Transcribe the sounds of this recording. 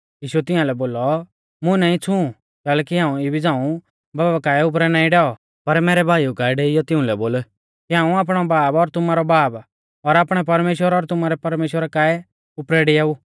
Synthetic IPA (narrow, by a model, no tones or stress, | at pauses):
jiːʃuɛt̪ɪãlɛboːlɔ | mʊ̃nãːĩt͡sʰũ | kɛːlɛkiɦãːũibid͡zãːũ | baːbbakaːɛʊp̬ɾɛnaːĩɖɛːɔ | pɐɾmɛːɾɛbʱaːiukaːɛɖɛːɪjɔt̪ɪ̃ʊ̃lɛboːl | kiɦãːũaːp̬ɽ̃ɔbaːbɔɾt̪ʊmaːɾɔbaːb | ɔɾaːpɽ̃ɛp̬ɐɾmeːʃwəɾɔɾt̪ʊmaːɾɛpɐɾmeːʃwəɾakaːɛ | ʊpɾɛɖɛaːu